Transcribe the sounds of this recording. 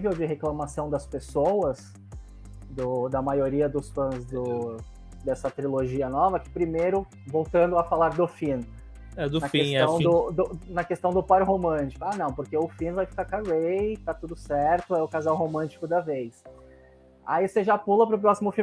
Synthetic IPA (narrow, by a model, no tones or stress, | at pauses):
vewd͡ʒɪɦeklɐmasɐ̃w̃d̪ɐspesowɐs | d̪ʊd̪ɐmajoɾiɐd̪ʊsfɐ̃zd̪ʊ | d̪ɛsɐt̪ɾiloʒiɐnɔvɐkɪ̥pɾimejɾʊ | vowt̪ɐ̃nd̪ʊɐfalaɾd̪ʊfĩn | ɛd̪ʊnɐfest̪ɐ̃w̃d̪ʊd̪ʊnɐkest̪ɐ̃w̃d̪ʊpaɾɦomɐ̃t͡ʃi̥kʊanɐ̃w̃pʊɾkeʊfĩnvajfi̥kaɾkavejt̪at̪ud̪ʊsɛɾt̪ʊɛʊkazawɦomɐ̃t͡ʃi̥kʊd̪ɐvejs | a̰iseʒapulɐpɾʊpɾɔsimʊfi